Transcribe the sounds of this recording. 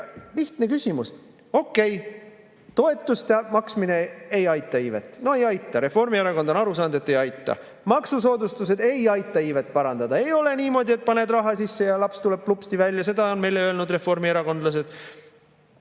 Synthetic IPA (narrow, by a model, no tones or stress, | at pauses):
liht̪ne̞kysʲimus | o̞kːe̞j | t̪o̞e̞t̪ːˑust̪eɑmɑksmine̞e̞jɑjt̪ːˑɑiːve̞t̪ːˑno̞e̞jɑjt̪ːˑɑɾe̞fo̞rmieɾɑkond̪o̞nɑɾus̬ɑːnd̪e̞t̪ːe̞jɑjt̪ːˑɑ̰ | mɑksuso̞ːd̪ust̪us̬e̞d̪e̞jɑjt̪ˑːɑiːve̞t̪ːˑpɑɾɑnd̪̥ɑd̪ɑe̞jo̞le̞niːmo̞d̪ʲie̞t̪̚pɑne̞d̪rɑɦɑsisːejɑlɑpst̪ule̞b̥̚plupst̪ivælʲːjɑse̞d̪̥ɑo̞nme̞jleø̞elnud̪re̞fo̞rmieɾɑko̞nd̪lɑs̬e̞d̥̪